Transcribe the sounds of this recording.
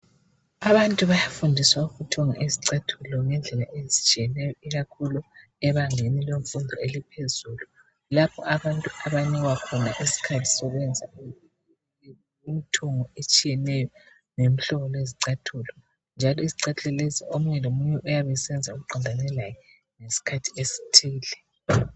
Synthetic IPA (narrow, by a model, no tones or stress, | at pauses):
aβantʼuβajafundʱiswaufutʰɔŋa̰ʔiziǀatʰulɔŋɛnd͡ɮʱɛlaʔezit͡ʃʼijɛnɛjɔiɣakʰulu | ɛβaŋenileɱfundʱɔelipʰezuːlu | lapʰɔ̰aβantʼuaβaniɣwakʰɔnaʔisi̥kʰatʰi̥sɔɣwɛnd͡zʱa | imitʰɔŋɔet͡ʃʼijɛnɛjɔ | ŋem̩ɬɔɣɔleziǀatʰulɔ | nd͡ʒʱalɔiziǀatʰɬɛleziomuɲɛlomuɲɛʔujaβɛsɛnd͡zʱauɣuǃʱɔndʱanɛlajɛ | ŋesi̥kʰatʰi̥esi̥tʰiːlɛ